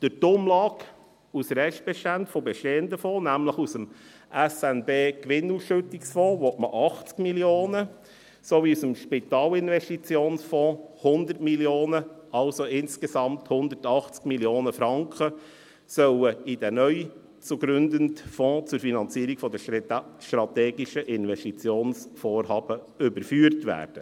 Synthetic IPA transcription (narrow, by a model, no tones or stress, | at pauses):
d̥ətʊmlɑːɡ | usɾɛʃt̚b̥ɛʃtæntfɔbeʃteːənd̪əfɔ̃ːnæmləχusəm | ʔɛsɛnbeːkʋɪnusʃɵtɪksfɔ̃ːʋɔtməʔɑχt͡skmiljoːnə | soʋiusəmʃpit̪ɑːlɪnʋɛʃtit͡sjoːnsfɔ̃ːhʊnd̪ətmiljoːnəʔɑlsoɪnskesɑmthʊnd̪əɾtɑχt͡skmiljoːnəfɾɑŋkχə | sœləid̥ɛnœʏ | t͡suɡɾʏnd̪əntfɔ̃ːt͡sʊɾfinɑnt͡siəɾiɡfɔd̪əʃtɾɑt̪eːɡɪʃəʔɪnʋɛstit͡sjoːnsfoːɾɦɑːb̥ə | ʏbəɾfyːɾtʋæ̰ːɾd̥ə